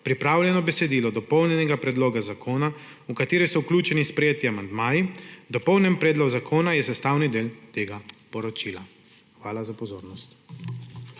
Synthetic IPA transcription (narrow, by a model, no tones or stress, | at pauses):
pɾipɾaːwljɛnɔbɛsɛd̪iːlɔd̪ɔpɔwnʲjɛnɛɡapɾɛd̪loːɡazakʰoːna | ukat̪eːɾɔsɔwklʲuːt͡ʃɛnispɾɛjeːt̪iamand̪maːjid̪ɔpɔwnɛmpɾɛːd̪lɔɡzakʰoːnajɛsɛst̪aːwnid̪eːlt̪eːɡapɔɾɔt͡ʃila | xʋaːlazapɔzoːɾnɔst̪